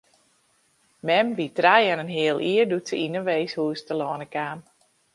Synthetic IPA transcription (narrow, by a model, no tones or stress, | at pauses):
mɛmʋitrajɛnənɦɪəlˠʔiərdutsəinəʋeːshuːstəlɔːnəkaːm